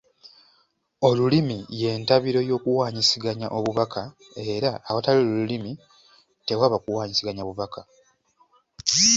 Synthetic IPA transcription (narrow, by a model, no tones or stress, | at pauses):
o̞lulimije̞ːntaβiɾo̞jo̞ːkuwaːɲisiɡaɲaʔo̞βuβakʰa | e̞ɾaːβataliolulimi | te̞waβakuwaːɲisiɡaɲaβuβaka